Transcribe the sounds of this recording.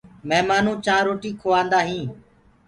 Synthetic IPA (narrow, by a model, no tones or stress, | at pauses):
mɛːmaːnũːt͡ʃaːɾoːʈiːkʰoːãːnd̪aːɦĩː